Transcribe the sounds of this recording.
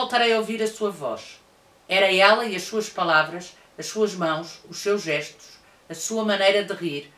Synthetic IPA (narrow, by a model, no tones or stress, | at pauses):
olˠt̪ɐɾɐjɐoviɾɐsuɐvɔ̰ʃ | ɛɾɐɛlˠɐiɐʃsuɐʃpɐlˠavɾɐʃ | ɐʃsuɐʒmɐ̃w̃ʃuʃsewʒɛʃt̪u̥ʃ | ɐsuɐmɐnɐjɾɐðɨʁiɾ